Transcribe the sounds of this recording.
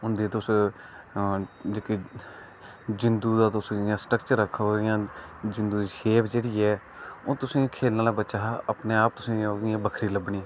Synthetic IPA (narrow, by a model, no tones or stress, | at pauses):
ʊnd̪iːt̪ʊs | d͡ʒeki | d͡ʒɪnd̪uːd̪aːt̪ʊsĩjãːsʈəkt͡ʃəɾəkʰːojãːd͡ʒɪnd̪uːd̪iːʃeːpd͡ʒeːɽiːɛː | oːt̪ʊsĩːkʰeːlnaːlaːbət͡ʃaːəpneːaːp̚t̪ʊsĩːoːĩːbəkʰɾiːləbɳiː